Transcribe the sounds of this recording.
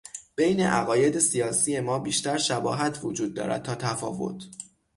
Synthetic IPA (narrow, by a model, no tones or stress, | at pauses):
b̥e̞jne̞̰ʔæ̰ɣɒːje̞d̪e̞sijɒːsije̞mɒːbiːʃt̪æɾʃæbɒ̰ːɦæt̪ʰvod͡ʒuːd̪̚ːɒ̰ːɾæ̰d̪̚t̪ʰɒːt̪ʰæfɒ̰ːvo̞̰t̪ʰ